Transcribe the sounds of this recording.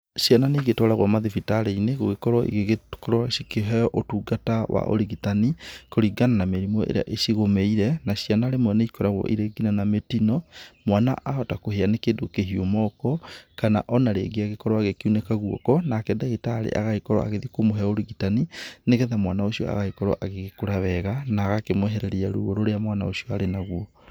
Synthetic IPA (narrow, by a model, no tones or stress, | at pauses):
ʃiananeiɣetɔɾaɣwamaðifitaɾeineɣoɣekɔɾwɔʔḭɣeɣkɔɾwɔʃikeɦɛɔʔotuːɡatawa̰ʔo̰ɾiɣitanikoɾiɡananameɾimɔḛɾḛa̰ʔeʃiɣomeiɾɛnaɕianaɾemwɛneikɔɾaɣwɔ̰ʔiɾeɡinanametinɔmwana̰ʔahɔtakoɦeanekeːdokeɦiomɔkɔkana̰ʔɔnaɾḛɡiaɣekɔɾɔaɣekiunɛkaɣuɔ̰kɔnakɛdaɣetaːɾḛʔaɣaikɔɾɔ̰a̰ɣeðikomoɦɛaoɾiɣitanineɣɛðamwanaoʃiɔ̰a̰ɣaikɔɾɔ̰ʔaɣeɣekoɾaβɛɣanaːɣakemwɛɦɛɾɛɾeaɾṵɣoɾoɾeamwana̰oʃiɔaɾenaɣwɔ